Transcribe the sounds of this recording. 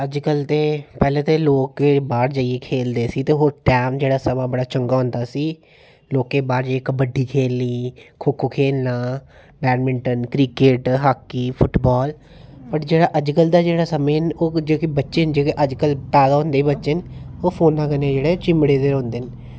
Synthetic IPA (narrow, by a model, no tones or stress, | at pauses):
əd͡ʒkəlt̪eːpɛːlẽːt̪eːloːkebaːɾd͡ʒəiekʰeːld̪eːsiːt̪eːɦoːɾʈɛːmd͡ʒeːɽaːsəmãːbəɽaːt͡ʃəŋɡaːɦʊ̃nd̪aːsiː | loːkːeːbaːɾd͡ʒəekəbəɖːiːkʰeːlniːkʰokʰːoːkʰeːlnaː | bɛːnmɪɳʈənkɾiːkeːʈɦaːkːiːpʰʊʈbɔːl | pəʈd͡ʒeːɽaːʔəd͡ʒkəld̪aːd͡ʒeːɽaːsəmẽːnoːd͡ʒoːkɪbətːʃənd͡ʒoːkeʔəd͡ʒkəlpɛːd̪aːɦʊ̃nd̪eːibətːʃənoːpʰoːnaːkənẽːd͡ʒeːɽeːt͡ʃɪmɽeːd̪eːɾõːnd̪eːn